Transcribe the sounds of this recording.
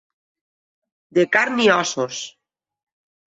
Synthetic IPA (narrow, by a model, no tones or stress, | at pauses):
d̪ekaɾniɔsos